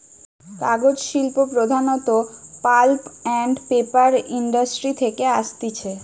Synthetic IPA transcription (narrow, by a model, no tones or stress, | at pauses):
kaɡod͡ʑʃilpopɾod̪ʱanɔt̪opalpɛɳɖpepaɾiɳɖasʈɾit̪ʰekeaʃt̪it͡ɕʰe